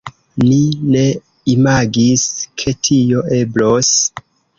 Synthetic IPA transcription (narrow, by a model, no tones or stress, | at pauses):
nine̞ | imaɡiskʰe̞tʰio̞e̞blos